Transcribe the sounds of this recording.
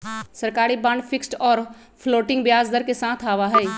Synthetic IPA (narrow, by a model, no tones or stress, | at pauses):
sɐɾkaːɾibãɳɖpʰɪksʈɔːɾ | pʰloːʈɪ̃ŋɡbjaːzd̪əɾkesãːt̪ʰaːʋaɦɛː